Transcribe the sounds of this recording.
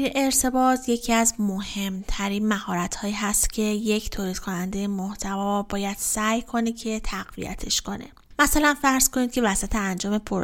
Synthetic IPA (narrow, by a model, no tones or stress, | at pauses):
ʔeɾt̪ʰe̞bɒːt̪ʰje̞cʰiæzmohe̞mt̪ʰæɾiːnmæhɒːɾæt̪hɒːjiːɦæst̪cʰe̞je̞cʰt̪ʰoːliːd̪̥kʰo̞nænd̪e̞jemoht̪ʰævɒːbɒːjæd̪̥sæːjkʰo̞necʰe̞t̪ʰæɣvḭjæ̰t̪ʰe̞ʃko̞nḛ | mæsælænfæɾz̥kʰo̞niːd̪̚cʰe̞væsæt̪ʰeænd͡ʒɒːme̞pʰoɾ